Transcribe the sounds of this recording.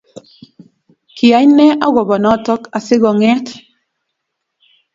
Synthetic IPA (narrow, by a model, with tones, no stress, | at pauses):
ki˨a˨˦ɲnɛ˦ʔa˦ɡɔ˨bɔ˨nɔ˨˦˨tɔ˦ka˨sɪ˦ɡɔ˨ŋɛ˦t